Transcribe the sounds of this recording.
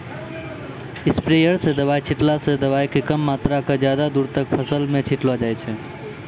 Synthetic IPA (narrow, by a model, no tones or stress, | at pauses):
ɪspɾejəɾsed̪əbaːjt͡ʃʰɪʈlased̪əbaːjkekəmːaːt̪ɾakad͡ʒjaːd̪ad̪uːɾt̪ək̚pʰəsəlmẽt͡ʃʰɪʈlad͡ʒaːjt͡ʃʰɛ